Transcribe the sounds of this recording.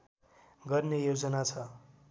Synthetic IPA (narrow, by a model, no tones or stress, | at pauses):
ɡʌrnejod͡zʌnat͡sʰʌ